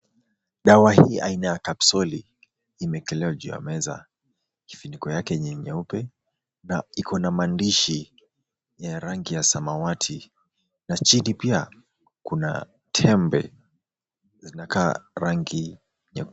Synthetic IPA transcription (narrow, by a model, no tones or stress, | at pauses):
ɗawahiːʔainajakapsɔliː | mɛkɛlɛaʄuja̰mɛza̰ | kifinikɔjakɛɲɛɲɛupɛ | naikʰɔnamandiʃi | jaɾaŋɡijasamawatʰi | nat͡ʃinipia | kuna̰ | tʰɛmbɛ̰ | zinaka̰ːɾaŋɡi | ɲɛ